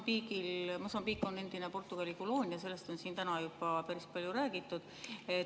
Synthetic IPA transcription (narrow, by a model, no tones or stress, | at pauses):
biːkilmosɑmbiːkːˑo̞ne̞nd̪̥inepo̞rt̪ːˑuɡ̥ɑlʲikolo̞ːnʲjɑse̞lːe̞st̪o̞nsiːnt̪ænɑjubɑpæɾispɑlʲjuɾæːɡ̥it̪ːˑud̪̥ | e